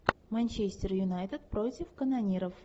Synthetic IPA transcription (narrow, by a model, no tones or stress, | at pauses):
mɛnʲt͡ɕesʲtʲɪrjʊnajt̪ət̪̚pɾotʲɪfkənɐnʲiɾəf